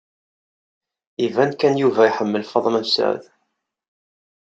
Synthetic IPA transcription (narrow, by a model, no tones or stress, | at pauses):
ivænkænjuvæiħəmːəlfɑðˤmæmsa̰ʕð